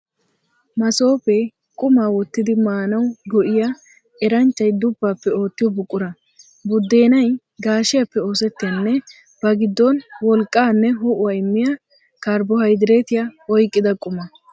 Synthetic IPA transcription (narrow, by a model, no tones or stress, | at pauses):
mɐso̞ːpɛ | kʼʊmaːwɔt̪ːɪd̪ɪmaːnɐwɡɔʔɪja | ɛɾɐnt͡ʃːɐjd̪ʊbːaːpːɛo̞ːt̪ːɪjɔbʊkʼːʊɾɐ | bʊd̪ːe̞ːnɐj | ɡaːʃɪjɐpːɛo̞ːsɛt̪ːɪjɐnːɛ | bɐɡɪd̪ːɔnwɔlkʼːaːnːɛɦɔʔʊwɐjɪmːɪja | kɐɾbɔhɐjd̪ɪɾeːt̪ɪjaɔjkʼːɪd̪ɐkʼʊmɐ